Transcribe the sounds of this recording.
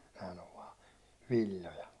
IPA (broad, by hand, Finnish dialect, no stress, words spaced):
næhæn oʋ ʋɑː ʋilʲːojɑ